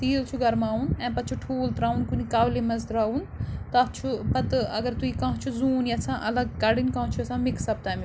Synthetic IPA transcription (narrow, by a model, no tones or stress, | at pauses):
t̪iːlt͡ʃʰuɡɐɾmaːunɛ̃ːpɐt̪̚t͡ʃʰuʈʰuːlt̪ɾaːunkunikaːʋlemɐzt̪ɾaːun | t̪ɐt̪t͡ʃʰupɐt̪ɐɡɐɾt̪uikãːt͡ʃʰuzuːniɐsãːʔɐlɐɡkɐɽinkãːɦt͡ʃʰuɐsãːmɪksɐb̚t̪aːmi